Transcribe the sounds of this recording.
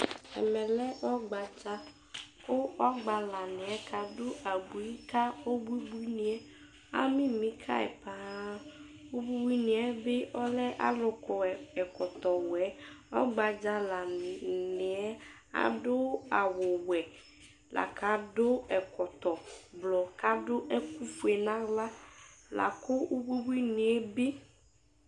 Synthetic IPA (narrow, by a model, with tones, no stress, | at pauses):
ɛ̰˨mɛ̃˨lɛ˦ʔɔ˦ɡ͡ba˨d͡ʒa˦ | ko˦ɔ˦ɡ͡ba˨la˨nɪ˨ɛ˦kʰa˨do˦a˨bu˨i˦ka˦o˦bu˦bu˦ni˨ɛ˦ | a̰˦mĩ˦mĩ˨˦kʰa̰˦ɛ̰˨pa˨˦ | o˦bu˦bu˦i˦nĩ˨ɛ˦be˦ʔɔ˦lɛ˦ʔa̰˦lʊ˦kɔ˨ɛ˨kɔ˨t̪ɔ˨wɛ˦ɔ˦ɡ͡ba˨d͡ʒa˦la˨n˨nɪ˨ɛ˦ | a̰˨dʊ˦a˨wʊ˨wɛ˨ | la̰˨ka˨˦dʊ˦ɛ˨kɔ˨t̪ɔ˨blɔ˨ka˦dʊ˦ʔɛ˦ku˦fu˨ɛ˨nã˦la˦la̰˨kʊ˦o˦bi˦bu˦i˦nɪ˨ɛ˦bɪ˦